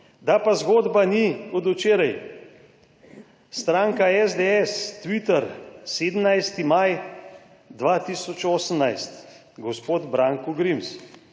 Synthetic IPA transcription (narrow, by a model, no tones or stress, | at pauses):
d̪apazɡoːd̪baniɔd̪ut͡ʃeːɾaj | st̪ɾaːŋkaɛzd̪eɛst̪ʋit̪əɾseːd̪əmnajst̪imaj | d̪ʋat̪isɔt͡ʃoːsəmnajst̪ | ɡɔspoːd̪bɾaːŋkuɡɾims